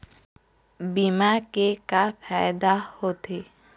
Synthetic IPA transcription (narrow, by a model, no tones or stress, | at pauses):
bimakekapʰajd̪ahot̪e